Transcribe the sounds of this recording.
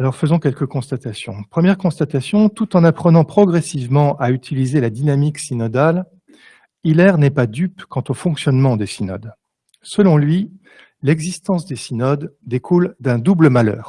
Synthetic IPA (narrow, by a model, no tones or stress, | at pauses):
alɔʁfəzɔ̃kʲɛlkəkɔ̃st̪at̪asjɔ̰̃pχəmjɛʁkɔ̃st̪at̪asjɔ̃t̪ut̪ɑ̃napχənɑ̃pχɔɡʁɛsivmɑ̃ʔayt̪ʰilizelad̪inamiksinɔd̪al | ilɛʁnɛpad̪ypkɑ̃t̪ofɔ̃ksjɔnmɑ̃d̪esinɔ̰d̪ | səlɔ̃lɥi | lɛɡzist̪ɑ̃sd̪esinɔd̪ːekʰuld̪ɛ̃d̪ubləmalœ̰ːʁ